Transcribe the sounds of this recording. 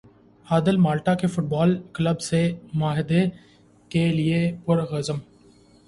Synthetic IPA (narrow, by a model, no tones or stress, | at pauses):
haːd̪əlmaːlʈakefʊʈ̚baːlkləbsemʊaːɦɪd̪e | kelɪepʊɾɣəzəm